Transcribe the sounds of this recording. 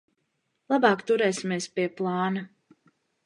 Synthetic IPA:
lˠabɑːkt̪uɾɛːsimiɛspiɛplˠɑːnɐ

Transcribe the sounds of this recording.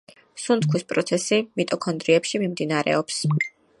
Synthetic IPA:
sunt̪kʰwispʼɾɔt̪sʰɛsimit̪ʼɔkʰɔnd̪ɾiɛpʃimimd̪inaɾɛ̰ɔps

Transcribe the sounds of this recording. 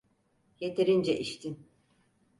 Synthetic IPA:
je̞t̪ʰeɾind͡ʒɛʔiʃt̪ʰin

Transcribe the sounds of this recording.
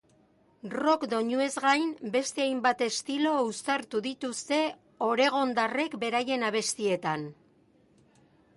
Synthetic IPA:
ro̞kd̪o̞ɲue̞zɣajmbe̞st̪e̞ajmbat̪e̞st̪ilo̞ust̪aɾt̪uðit̪ust̪e̞ | o̞ɾe̞ɣ̞o̞nd̪are̞kbe̞ɾaje̞naβ̞e̞st̪ie̞t̪an

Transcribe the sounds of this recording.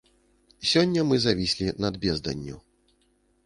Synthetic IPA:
sʲɔnʲːɐmɨzavʲisʲlʲinɐd̪bʲɛzd̪ɐ̰nʲːṵ

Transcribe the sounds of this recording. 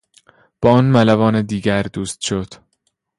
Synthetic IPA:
b̥ɒːɒːnmælævɒːned̪iːɟæɾd̪uːst̪ʃod̪̥

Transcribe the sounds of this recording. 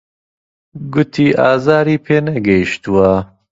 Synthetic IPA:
ɡʊt̪ʰiːʔaːzaːɾiːpʰeːnɐɡɐiʃt̪uwɐ

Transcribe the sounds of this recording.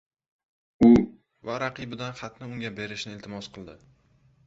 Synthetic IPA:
ʊ | vaɾaqɨbɪd̪anχɑt̪nɪʊŋɡʲabe̞ɾɪʃnɪelt̪ʰɪmɒsqʰɨlˠd̪ɪ

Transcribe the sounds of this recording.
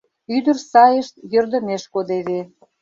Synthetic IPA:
yd̪ə̆rsɑjəʃt̪jørd̪ə̆meʃkod̪eβe

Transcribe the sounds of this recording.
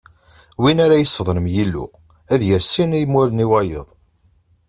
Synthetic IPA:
winaɾajəsːəðˤɾəmjilːṵ | æðjəɾsinæjmʊɾəniwɑjə̰ðˤ

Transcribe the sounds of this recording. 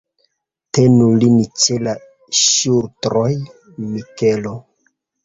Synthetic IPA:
te̞nulinit͡ʃela | ʃuɾtɾoj | mike̞lo

